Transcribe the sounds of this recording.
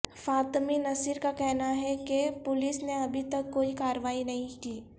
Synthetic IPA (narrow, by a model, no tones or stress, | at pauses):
faːt̪minɐsiɾkakɛɦnaɦɛkepʊlɪsneɐbʱit̪ɐkːoːikaːɾʋaːinɐɦĩkiː